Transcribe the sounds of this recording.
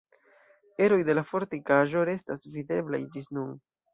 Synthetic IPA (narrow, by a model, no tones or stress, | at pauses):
e̞ɾo̞jde̞lafo̞ɾtikaʒo̞ɾe̞stasvide̞bla̰jd͡ʒisnun